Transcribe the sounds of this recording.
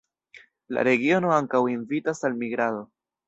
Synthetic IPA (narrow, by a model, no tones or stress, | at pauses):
la̰ɾe̞ɡio̞no̞aŋkawinvitasalmiɡɾaðo̞